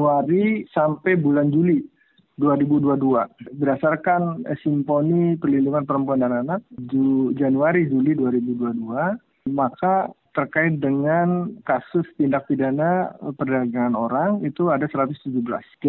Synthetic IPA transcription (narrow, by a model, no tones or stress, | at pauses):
uaɾisampɛjbuland͡ʒuli | duaɾibuduaduabədasarkan̰simponipərlinduŋanpəɾəmpuandananat̪̚d͡ʒd͡ʒanuaɾid͡ʒuliduaɾibuduadua | makat̪ərkaɪt̪̚dəŋankasʊst̪indak̚fidanapərdaɡaŋanoɾaŋit̪uadasəɾat̪ʊst̪ud͡ʒubəla̰s